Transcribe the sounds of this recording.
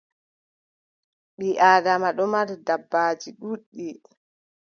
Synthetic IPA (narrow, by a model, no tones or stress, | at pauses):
ɓiʔaːdamaɗɔmaɾdabːaːd͡ʒiɗuɗːi